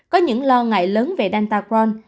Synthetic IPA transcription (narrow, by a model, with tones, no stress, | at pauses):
kɔ˨˦ɲɨ̰˧˥ŋlɔ˧ŋa̰ː˧˨jləː˨˦nve˨˩ɗa˧nt̪aː˧kwɔ˧n